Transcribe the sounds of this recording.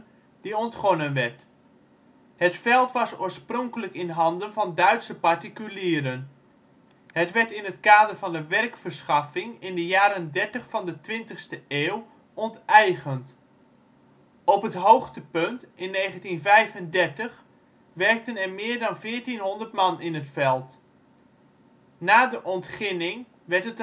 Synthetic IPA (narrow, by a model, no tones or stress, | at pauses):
diɔntχɔnənʋɛɹt | hətfɛlˠtʋɑsoːɹsprɔŋkələkɪnɦɑndənvɑndœɥtsəpaɹtikyliːɾən | hətʋɛɹtɪnɦətkaːdərvɑndəʋɛrkfəɹsχɑfɪŋɪndəjaːɾəndɛɹtəχfɑndətʋɪntəχstəeːw | ɔntɛjχənt | ɔpɦətɦowχtəpɵntʔɪnːejχəntinvɛjvəndɛɹtəχ | ʋɛɹk̚tənɛɹmɪːɹdɑnvɪːəɹtinɦɔndərtmɑnɪnətfɛlˠt | naːdəʔɔntχɪnɪŋ | ʋɛɹtɦət